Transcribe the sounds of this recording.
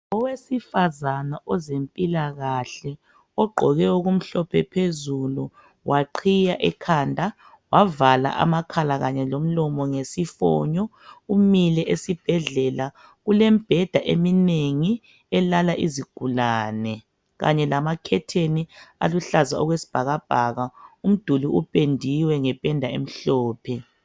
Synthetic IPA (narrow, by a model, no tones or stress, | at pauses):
ɔwesifazanaʔɔzempʼilaɣaɬɛ | ɔɡ͡ǃʱɔɣɛoɣum̩ɬɔpʰɛpʰezulu | wʔaǃʰijaʔɛkʰandʱa | wavala̰ʔa̰makʰalaɣaɲɛlom̩lɔmɔŋesifɔ̰ɲɔumilɛʔesib̥ʱɛɮɛla | ɣulemib̥ʱɛd̥ʱaʔemineŋi | ɛlalaʔiziɡ̥ʱulaːnɛ | ɣa̰ɲɛlamakʰɛtʰenia̰luɬazaɔɣwesi̥b̥ʱaɣab̥ʱaɣaum̩d̥ʱuliʔupʼendʱiwɛŋɛpʼɛndʱaḛm̩ɬɔːpʰɛ